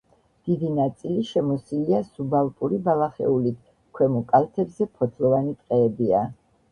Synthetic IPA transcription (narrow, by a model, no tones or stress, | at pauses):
d̪̥id̪inat̪sʼiliʃɛmɔsiliasubalˠpʼuɾibalˠaχɛ̰ulit̪ʰ | kʰwɛmɔkʼalˠt̪ʰɛbzɛpʰɔt̪ʰlˠɔvanit̪ʼqʼɛːbia